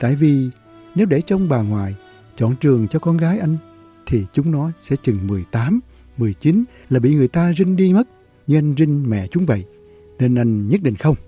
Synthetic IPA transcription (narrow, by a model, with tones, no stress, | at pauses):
t̪a̰ː˧˨jvi˨˩ | ne˨˦wɗe˧˩t͡ɕɔ˧wŋ͡mɓaː˨˩ŋwa̰ː˨j | t͡ɕɔ̰˧˨nt͡ɕɨ˨˩əŋt͡ɕɔ˧kɔ˧nɣaː˨˦jʔa˧jŋ̟ | t̪ʰi˨˩t͡ɕʊ˨˦ŋ͡mnɔ˨˦sɛ̰˧˥t͡ɕɨ˨˩ŋmɨ˨˩əjt̪aː˨˦m | mɨ˨˩əjt͡ɕi˨˦n | laː˨˩ɓḭ˧˨ŋɨ˨˩əjt̪aː˧zï˧ŋ̟ɗi˧mə˦˥t̚ | ɲɨ˧ʔa˧jŋ̟zï˧ŋ̟mɛ̰˧˨t͡ɕʊ˨˦ŋ͡mvə̰˧˨j | ne˧nʔa˧jŋɲə˦˥t̚ɗḭ˧˨ŋ̟xə˧wŋ͡m